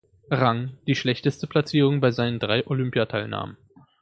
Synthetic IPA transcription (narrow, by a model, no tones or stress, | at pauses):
ʁaŋd̥iːʃlɛçtəstəpʰl̥at͡siːʁ̞ʊŋbaɪzaɪnəndʁaɪʔolʏmpjatʰaɪlna̰ːmən